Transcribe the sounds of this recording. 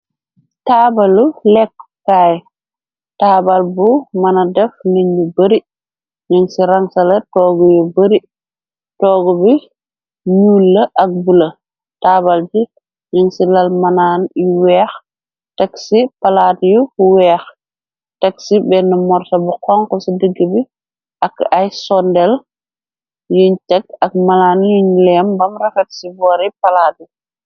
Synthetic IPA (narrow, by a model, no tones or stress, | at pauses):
taːbɐlulɛkːkaj | taːbalbumɐnɐdɛfniɲːubɐɾi | ɲiŋsiɾaŋsɐlɐtɔːɡujubɐɾi | tɔːɡubi | juːlːɐʔɐk̚bulɐ | taːbald͡ʒi | ɲiŋsilɐlmɐnaːniwɛːx | tɛksipalaːtjufuwɛːx | tɛksibɛnːɐmɔɾtɐbuqɔŋkɔsidəɡːəbi | ʔɐkajsɔndɛl | juɲt͡ʃɛkɐk̚manaːnjuɲlɛmbɐmɾɐfɛtsibɔːɾipɐlaːdi